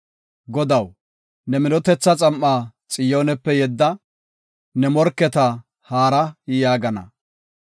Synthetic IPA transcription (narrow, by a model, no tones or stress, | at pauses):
ɡɔd̪ɐw | nɛmɪnɔt̪ɛt͡sːɐt͡sʼɐmːaːt͡sʼɪjoːnɛpːɛjɛd̪ːɐ | nɛmɔɾkːɛt̪ɐ | haːɾɐjaːɡɐnɐ̰